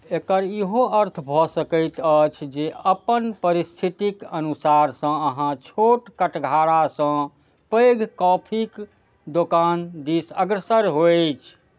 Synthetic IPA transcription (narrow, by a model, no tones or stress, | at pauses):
ekəɾiɦoəɾt̪ʰbʱɔsəkəɪt̪ət͡ʃʰd͡ʒeəpənpəɾist̪ʰit̪ikənusaɾsə̃əɦãt͡ʃʰoʈkəʈɡʱaɽasə̃ | pəɡʱkɔpʰik | d̪okand̪isəɡɾəsəɾɦojt͡ʃʰ